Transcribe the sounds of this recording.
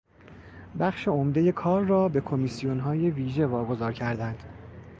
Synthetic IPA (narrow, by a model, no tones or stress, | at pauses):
bæχʃe̞omd̪e̞je̞kʰɒːɾːɒːbe̞kʰo̞misijonɦɒːje̞viːʒe̞vɒːɡo̞zɒːɾcʰæɾd̪ænd̪̥